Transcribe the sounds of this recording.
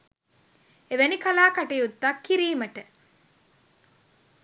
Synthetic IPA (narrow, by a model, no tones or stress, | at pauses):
eʋenikɐlaːkɐʈejut̪ːɐkːiɾiːməʈə